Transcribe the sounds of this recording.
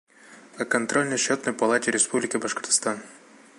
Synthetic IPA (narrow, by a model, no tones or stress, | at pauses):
ɐkɐnt̪ɾolʲnəjɕot̪nəjpɐlˠatʲɪɾʲɪspublʲɪkʲɪbɐʂkərt̪st̪an